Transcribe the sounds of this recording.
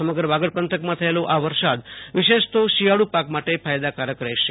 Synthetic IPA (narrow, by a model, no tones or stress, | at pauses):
əməɡɾəʋaɡəɽpənt̪ʰəkmãt̪ʰəelõʔaʋəɾsad̪ʋɪʃeʃt̪oʃiɦaɽupakmaʈepʰajd̪akaɾəkɾɛʃe